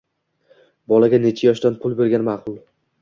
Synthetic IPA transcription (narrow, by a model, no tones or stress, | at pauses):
bɒlaɡʲane̞t͡ʃʰajɒʃd̪anpʰʊlˠbe̞ɾɡʲanmaːqʰʊlˠ